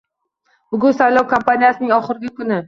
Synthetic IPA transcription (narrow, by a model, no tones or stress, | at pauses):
b̥ʊɡʲʊnsajlˠɒwkʰampʰanijasɪnɪŋɒχɨɾɪɡʲɪkʰʊnɪ